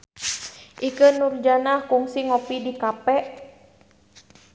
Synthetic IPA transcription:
ʔikənurd͡ʒanahkuŋsiŋɔpidikapɛʔ

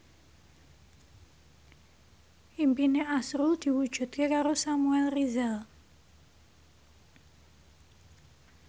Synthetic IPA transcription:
ʔimpineʔasɾuld̪̥i̤wud̥ʒ̥ṳt̪̚kekaɾosamuɛlrizal

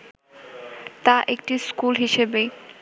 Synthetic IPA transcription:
t̪aʔekʈiskulɦiʃebe

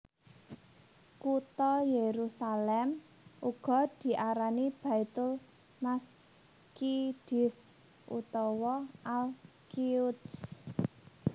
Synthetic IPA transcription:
kut̪ɔjeɾusalɛm | ʔuɡ̥ɔ̤d̪̥i̤ʔaɾanib̥a̤it̪ʊl | mas | kid̥ɪs | ʔṵt̪ɔwɔʔal | kiʊds

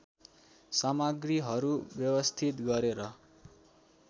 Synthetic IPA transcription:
samaɡriɦʌɾubjʌwʌst̪ʰit̪ɡʌɾeɾʌ

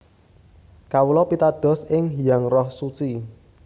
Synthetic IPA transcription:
kawulɔpit̪ad̪̥ɔ̤sɪŋɦijaŋrɔhsut͡ʃi

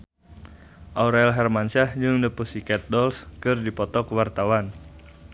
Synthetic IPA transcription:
ʔauɾaɛlɦɛrmant͡ʃahd͡ʒɨŋdəpusikɛt̪̚dɔlskɨrdipɔt̪ɔkəwart̪awan

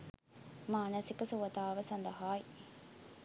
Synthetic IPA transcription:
maːnɐsikəsuʋɐt̪aːʋəsɐnd̪ɐɦaːi

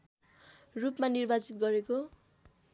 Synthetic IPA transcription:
rupmanirbat͡sit̪̚ɡʌɾeko

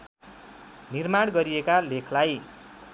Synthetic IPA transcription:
nirmaɽɡʌɾiekalekʰlaj

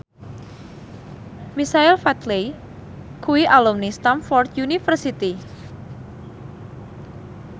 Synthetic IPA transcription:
misailfat̪le | kʰuwiʔalumnist̪amfɔrt̪junifərsit̪i

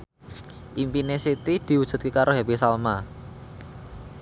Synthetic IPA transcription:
ʔimpinesit̪id̪̥i̤wudʒ̥ṳt̪̚kekaɾʔoɦɛpisalma

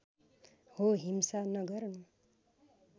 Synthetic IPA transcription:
hoɦimsanʌɡʌɾnu

